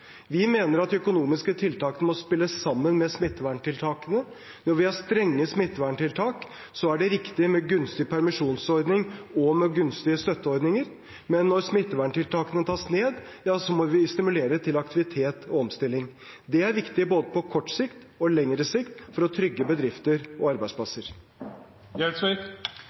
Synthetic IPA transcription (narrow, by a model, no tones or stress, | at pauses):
ʋɪmeːnəɾɑt̪ːœkʊnuːmɪskət̪ʰɪlt̪ɑːkənəmɔspɪlːəsːɑmːənmɛsmɪt̪ːəʋæːɳʈʰɪlt̪ʰɑːkənə | nɔɾʋɪhɑst̪ɾɛŋːəsmɪt̪ːʋæːɳʈɪlt̪ʰɑːk | sɔæɖɛɾɪkt̪ɪmɛɡʉnst̪ɪpʰæɾmɪʂuːnsɔɾd̪nɪŋɔmɛɡʉnst̪ɪəst̪œt̪ːəɔɾd̪nɪŋəɾ | mɛnːɔɾsmɪt̪ːəʋæɳʈɪlt̪ʰɑːkənət̪ʰɑːsneːd̪ | jɑːsɔmɔʋɪst̪ɪmʉleːɾət̪ʰɪlɑkt̪ɪʋɪt̪ʰeːt̪ʰɔɔmst̪ɪlːɪŋ | d̪ɛæɾʋɪkt̪ɪboːd̪əpʰɔkʰɔʈːsɪkt̪ | ɔlɛŋɾəsɪkt̪fɔɾɔt̪ʰɾʏɡːəbəd̪ɾɪft̪əɾɔɑɾbæɪspʰlɑsəɾ | jɛs